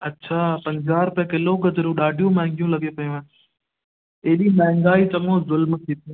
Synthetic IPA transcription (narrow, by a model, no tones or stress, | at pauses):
ɐtːɕʰaːpɐ̃ɲd͡ʑaːɾpɐkɪloɡɐd̪ɾũɗaːɖʱijũmɛ̃ːŋɡijũlɐɡepɐjũa | eːɗiːmɛ̃ɦɪ̃ŋɡaːit͡ɕɐmoːzʊlmt̪ʰiːt̪ʰi